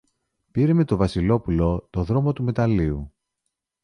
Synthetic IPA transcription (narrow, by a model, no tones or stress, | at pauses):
piɾeme̞t̪o̞vɐsilo̞pulo̞t̪o̞ðɾo̞mo̞t̪ume̞t̪ɐliu